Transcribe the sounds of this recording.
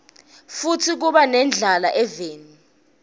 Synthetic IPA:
futʰik̬uɓanɛnd͡ɮʱalaʔɛveːni

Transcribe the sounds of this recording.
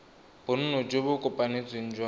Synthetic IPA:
b̥ʊn̩nʊd͡ʒebʊkʼʊpʼanet͡sweŋ̩d͡ʒwa

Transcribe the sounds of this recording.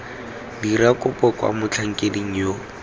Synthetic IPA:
dirakʼʊpʼɔkʼwa̰mʊt͡ɬʰaŋ̩kʼediŋ̩jo

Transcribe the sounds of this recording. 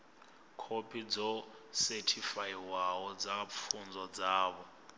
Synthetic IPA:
kʰopʰid͡zɔsɛtʰifajiwawɔd͡zap̪fʰund͡zɔd͡zaːβɔ

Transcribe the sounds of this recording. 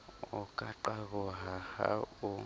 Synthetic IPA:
ʊkʼaǃaβɔɦaha̰ʊ

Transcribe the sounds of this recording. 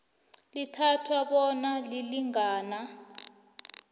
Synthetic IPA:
litʰatʰwaɓɔnaliliŋaːna

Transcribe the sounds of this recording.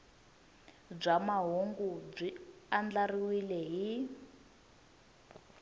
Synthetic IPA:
b͡ʐamaɦoŋɡub͡ʐiand͡ɮariwilɛɦi

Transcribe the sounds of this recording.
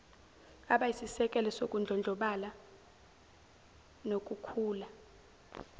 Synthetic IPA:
aɓaisisɛkʼɛlɛsokʼund͡ɮʱɔnd͡ɮʱɔɓala | nokʼukʰuːla

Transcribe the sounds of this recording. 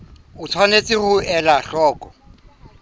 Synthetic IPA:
ʊt͡sʰwanet͡sʼɪχʊɛlaɬɔːkʼɔ

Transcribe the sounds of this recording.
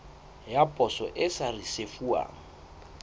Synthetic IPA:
japʼɔsɔʔɪsarisefua̰ːŋ̩

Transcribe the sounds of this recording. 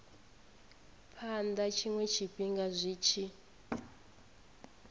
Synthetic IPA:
pʰandat͡ʃʰiŋwɛt͡ʃʰipʼiŋɡazʷiːt͡ʃʰi

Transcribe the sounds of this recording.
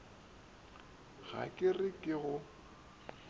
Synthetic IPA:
ɣ̥a̰kʼɪrɪkʼɪɣʊ

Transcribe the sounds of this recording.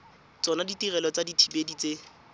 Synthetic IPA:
t͡sɔnaditirɛlɔt͡saditʰibedit͡se

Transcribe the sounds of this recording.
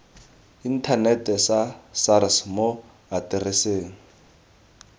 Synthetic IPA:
in̩tʰanɛtɛsasaɾɪsmo | atɪrɪseːŋ̩

